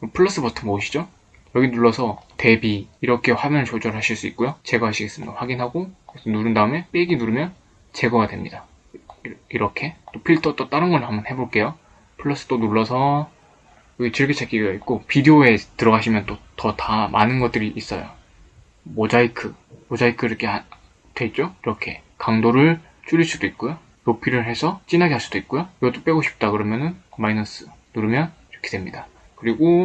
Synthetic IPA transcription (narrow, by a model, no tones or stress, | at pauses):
pʰɯɭːʌs͈ɯpʌtʰɯmoːɕʰi̥d͡ʑo | jʌɡinuɭːʌsʰʌte̞biːɾʌkʰe̞ɸwamjʌnɯt͡ɕod͡ʑʌɾɯɭɦaɕʰiɭs͈uit̚k͈ojot͡ɕe̞ɡʌɦaɕʰiɡe̞s͈ɯmiɡaɸwaɡinɦaɡokkɾesʰonuɾɯndaɯme̞p͈eɡinuɾɯmjʌn | t͡ɕe̞ɡʌɡadwe̞mɲida | iɾʌkʰe̞t͈opʰiɭtʰʌt͈ot͈aɾɯnɡʌɭtɦambʌnhe̞boɭk͈e̞jo | pʰɯɭːʌs͈ɯ̥t͈onuɭːʌsʰʌ | jʌɡit͡ɕiɾkʰet͡ɕʰak͈iɡait̚k͈opidioe̞tɯɾʌɡaɕʰimjʌnt͈otʌtamʔa̰nɯnɡʌt̚t͈ɯɾiʔːs͈ʌ̰jo̰ | mod͡ʑaikʰɯ | mod͡ʑaikʰɯiɾʌkʰe | twe̞t̚t͡ɕ͈oiɾʌkʰe̞̰ | kaŋdoɾɯɭ | t͡ɕ͈uɾiɭs͈udoit̚k͈ojo | nopʰiɾɯɭɦe̞sʰʌt͡ɕ͈inɦaɡeɦaɭs͈ud̥oit̚k͈ojoiɡʌdop͈e̞ɡoɕʰi̥p̚t͈akɯɾʌmjʌnɯnkmainʌs͈ʰɯ̥nuɾmjʌniɾʌkʰe̞dwe̞mɲida | kɯɾiɡo